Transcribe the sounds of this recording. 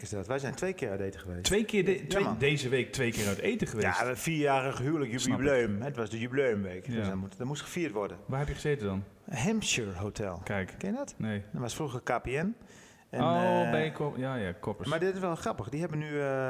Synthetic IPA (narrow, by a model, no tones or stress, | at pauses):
kɪsdɔtʋasɛjntʋejkɪatejtəχəʋeːstʋejkɪjadeːzəʋeːk̚tʋejkɪːœteːtəχəʋejafiːjaːrəxhyələkjybjybløːmɦɛdɔtʋɔsdəjybløːəmʋeːkdøsmutdɔmustχəfiətʋɔrdəʋahɛpjəχəzeːtədɔn | hɛmpʃuɹɦoːtʰɛ̰lˠkɛjkkɛnjədɔtneːdɔnʋɔsfruxəkapiɛn | ɛoejkɔjajakʰɔpəmadɪtɪsʋɛlˠxrapəxdihɛbəny